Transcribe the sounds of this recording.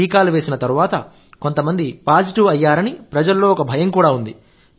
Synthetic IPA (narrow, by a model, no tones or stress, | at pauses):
iːkaːluʋeːsinɐt̪ɐɾuʋaːt̪ɐ | ko̞nt̪ɐmɐnd̪ipaːd͡ʒiʈiʋɐjːaːɾɐnipɾɐd͡ʒɐlːo̞ːɔkɐbʱɐjɐŋkuːɽaːund̪i